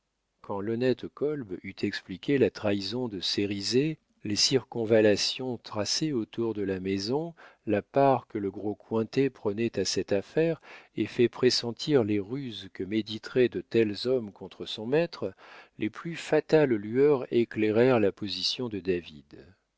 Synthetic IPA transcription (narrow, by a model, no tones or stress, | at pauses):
kʰɑ̃lɔnɛt̪kɔlbyt̪ʰɛksplikʲelat̪χaizɔ̃d̪əseʁize | lesiʁkɔ̃valasjɔ̃t̪χaseot̪uʁd̪əlamezɔ̃lapaʁkələɡʁokwɛ̃t̪epχənɛt̪asɛt̪afɛʁefɛpχesɑ̃t̪ʰiʁleʁyzkəmed̪it̪χɛd̪ət̪ɛlzɔmkɔ̃t̪χəsɔ̃mɛt̪χlʔeplyfat̪allyœʁekleʁɛʁlapɔzisjɔ̃d̪əd̪avid̪